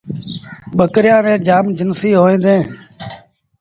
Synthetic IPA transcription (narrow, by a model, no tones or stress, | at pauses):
ɓəkɾjãːɾẽːd͡ʒaːmd͡ʒənsiːɦoːẽːd̪ẽː